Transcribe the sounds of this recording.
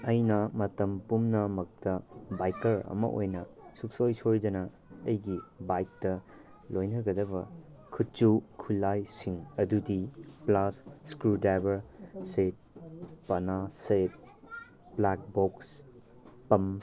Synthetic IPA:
ɐjnɐmɐtɐmpumnɐmɐk̚tɐbajkɐɾɐ̰mɐ̰ʔojnɐsuk̚sojsojd͡ʒɐnɐ | ɐjɡibajk̚tɐ | lojnɐɡɐdɐβɐ̰ | kʰut̚t͡ʃukʰujlajsiŋɐdudiplɐsːkɾudajbɐɾset̚pɐnaset̚ | blak̚boks | pɐm

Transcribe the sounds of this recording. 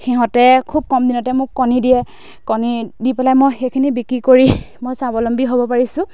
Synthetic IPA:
xɛɦɔ̃tɛkʰub̚kɔmdinɔtɛmʊkːɔnidiɛ | kɔnidipalajmojxekʰinibikɹikoɹi | mojsabɔlɔmbiɦobɔpaɹisʊ̃

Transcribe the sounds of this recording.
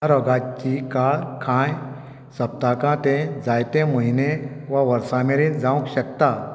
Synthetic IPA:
aɾɔɡãt͡ɕikaɭkʰãj | səp̚t̪akãt̪ẽd͡zajt̪ẽməineʋaʋəɾsãmeɾĩːnd͡zãwũkɕək̚t̪a

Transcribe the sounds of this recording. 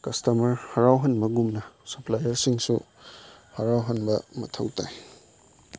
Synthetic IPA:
kɐstɐmɐɾhɐɾawɦɐnmɐɡumnɐsɐplajɐɾsiŋsu | hɐɾawɦɐnbɐmɐtʰɐ̰wtaj

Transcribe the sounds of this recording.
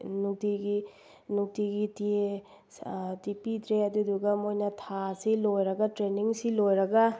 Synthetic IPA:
nuk̚tiɡi | nuk̚tiɡitie | tipitɾeɐduduɡɐmojnɐtʰasilojɾɐɡɐtɾeniŋsilojɾɐɡɐ

